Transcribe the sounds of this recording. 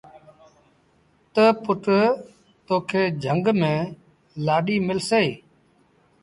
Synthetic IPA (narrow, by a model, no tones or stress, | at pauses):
t̪əpʊʈ | t̪oːkʰeːd͡ʒʱəŋɡmẽː | laːɗiːmɪlseː